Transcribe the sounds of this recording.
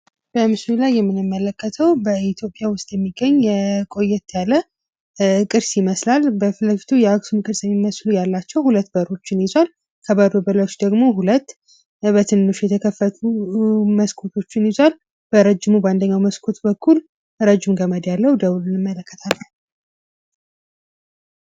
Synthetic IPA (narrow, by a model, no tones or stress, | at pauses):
b̥əmɨslulajːɛmːɨnɨmːələkʰːət̪ʰəwbəit̪ʰjo̞pʼːjawʊst̪ʼjɛmːiɡəɲːjɛkʼo̞jːɛt̪ʰːjalːə | kʼɨɾsjiməslalbəfɨləfi̥t̪ʰujɛaksumkʼɨɾsjɛmːiməslujalːat͡ʃːɛwhulət̪ːbəɾo̞t͡ʃːɪnjɪzwal | kʰəbad̪obəlat͡ʃd̪əɡmo̞hulət̪ː | bət̪ʰɨnːɨʃjɛt̪ʰəkʰəfːət̪ʰuməskʰot̪ʰo̞t͡ʃːɪnjizwal | b̥əɾəd͡ʒːɪmubəand̪əɲːawməskʰot̪bəkʰːul | ɾəd͡ʒːɪmɡəməd̪jalːəwd̪əβulnɨmːələkːət̪ʰalːə